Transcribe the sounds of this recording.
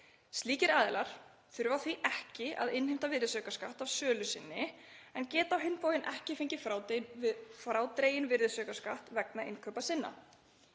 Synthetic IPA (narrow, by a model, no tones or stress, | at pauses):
st̪liːcɪɾaːðɪlaɾ̥ | θʏɾvaθviʔɛhcɪa̰ðɪnhɪm̥t̪avɪɾðɪsœːkaskaht̪avsœːlʏsɪnːɪ | ɛncɛːt̪awɦɪnːpowjɪnʔɛhcɪfɪɲcɪfɾawt̪ | fɾaːwt̪ɾeːjɪnvɪɾðɪsœːkaskaht̪vɛknaɪnkʰœːpasɪnːa̰